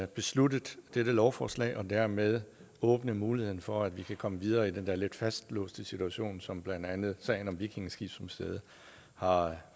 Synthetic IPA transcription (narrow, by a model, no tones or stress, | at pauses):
b̥e̝slud̥ð̩ˠd̥eɾ̥əlɒʊfɒːslɛ̰ɪʔɒ̽d̥æɐmeð̞ˠ | ɔ̽ːb̥nəmuːlihe̝ð̰ˠn̩fɒ̽æd̥ʋikʰækʰɒ̽məʋið̞ˠɐːid̥end̥æɐle̝d̥fæsd̥lɔ̰ːsd̥əsit͡sʰuæɕo̝̰ːnsɒ̽mb̥lænd̥ænð̞̩ˠsɛ̰ɪnɒ̽mʋikʰe̝ŋ̩sɡ̥ḭb̥sɒ̽msd̥eð̞ˠə | hɑ̈